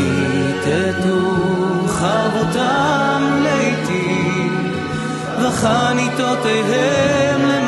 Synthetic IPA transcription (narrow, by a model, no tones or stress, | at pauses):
i | it̪ʰɛt̪u | χavot̪amleit̪i | vaχanit̪ot̪ejɦɛmlɛm